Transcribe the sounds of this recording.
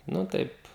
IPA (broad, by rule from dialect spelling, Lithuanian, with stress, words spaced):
nʊ ˈtɐɪp